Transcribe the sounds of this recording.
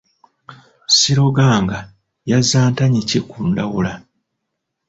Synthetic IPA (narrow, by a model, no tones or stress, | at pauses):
siɾo̞ɡaːŋɡa | jazaːntaɲicekuːndawula